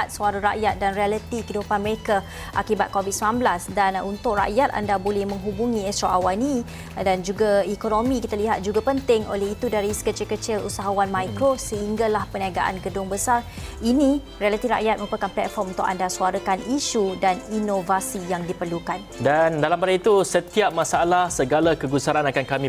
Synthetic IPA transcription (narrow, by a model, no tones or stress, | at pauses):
at̪̚suaɾaɾa̰ʔjat̪̚danrialət̪ikədupanməɾeka | ʔakibat̪̚kovid̪̚səblanblasdanunt̪ʊʔra̰ʔjat̪̚a̰ndabolɛhmə̃ŋɦubuŋĩɛst̪ɾoʔawani | dand͡ʒuɡaikonomĩkit̪aliɦat̪̚d͡ʒuɡapənt̪ɪŋo̰lɛɦit̪udaɾisə̥kət͡ʃɪlkət͡ʃɪlṵsaɦawanmajkɾosəɦiŋɡalahpəniaɡaʔa̰nɡədʊŋbəsarinĩ | rialət̪ifra̰ʔjat̪̚mə̃upəkanplɛt̪̚fɔrmunt̪ʊka̰ndasuaɾəkaniʃudaninovasijaŋdipərlukandandalambadait̪usət̪iap̚mãsalahsəɡalakəɡusaɾanakankamĩ